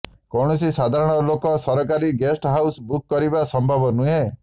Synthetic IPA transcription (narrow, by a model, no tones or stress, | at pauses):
kɔɽ̃ɔsisad̪ʱaɾɔɽ̃ɔlokɔsɔɾɔkaɾiɡesʈɦawsbukːɔɾibasɔmbʱabɔnuɦe